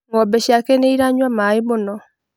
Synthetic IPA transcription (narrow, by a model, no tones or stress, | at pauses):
ŋɔbɛɕiakɛneiɾaɲwamaemonɔ